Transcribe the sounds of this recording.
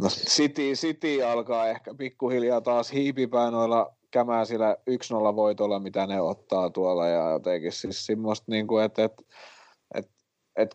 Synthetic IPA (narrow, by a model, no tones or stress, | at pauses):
nossit̪isit̪iːɑlkɑːehkæpikːuhiljɑːt̪ɑːshiːpipæinoilːˑɑ | kæmæːsilæyksnolːɑʋoit̪olːɑmit̪æneot̪ːɑːt̪uɑlˑɑjɑ̰jo̰t̪ekississimːost̪niːŋkuet̪et̪ | ʔḛt̪ | et̪